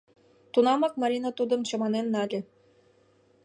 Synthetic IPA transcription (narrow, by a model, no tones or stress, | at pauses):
t̪unɑmɑk̚mɑɾʲinɑt̪ud̪ɤ̆mt͡ɕɑ̆mɑnenːɑlʲĕ